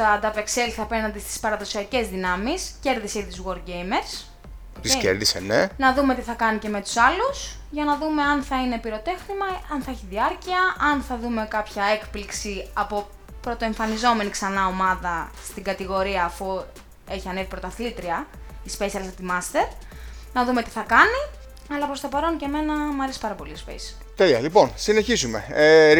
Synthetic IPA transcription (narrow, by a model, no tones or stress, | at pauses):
t̪ɐd̪ɐpe̞kse̞liθɐpe̞ɾnɐnd̪ist̪i̥spɐɾɐðo̞siɐce̞zðinɐmisce̞ɾðiseiðiuzɣo̞ɾd̪ɟejmeɾs | t̪iscḛɾðisḛnenɐðume̞t̪iθɐkɐnice̞me̞t̪u̥sɐlus | ʝɐnɐðume̞ɐnθɐine̞piɾo̞t̪e̞xnimɐɐnθɐeçiðiɐɾciɐʔɐnθɐðume̞kɐpçɐe̞kpliksiɐpo̞ | pɾo̞t̪o̞eɱfɐnizo̞me̞niksɐnɐo̞mɐðɐst̪iɡɐt̪iɣo̞ɾiɐːfu | e̞çiɐnevipɾo̞t̪ɐθilt̪ɾiɐispesiɐlsɐt̪imɐst̪e̞ɾnɐðume̞t̪i̥θɐkɐni | ɐlɐpɾost̪opɐɾo̞nce̞me̞nɐmɐɾespɐɾɐpo̞lispḛs | t̪elɐ̰lipo̞nsine̞çizume̞̰e